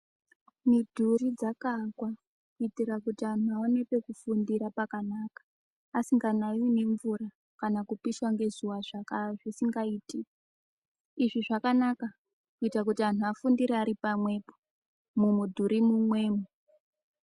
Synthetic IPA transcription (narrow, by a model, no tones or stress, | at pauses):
midʱurid͡zakakwa | kuitiɾakutian̤uaone̞pe̞kufundiɾapakanaːkḁː | siŋɡanaine̞ɱvuɾa | kanakupiʃwaŋɡe̞zuwaʐakaʐisiŋɡaiːti | iʐiʐakanaka | kuitak̬utian̤uafundiɾeaɾipamwe̞po | mumudʱuɾimumwe̞ːmu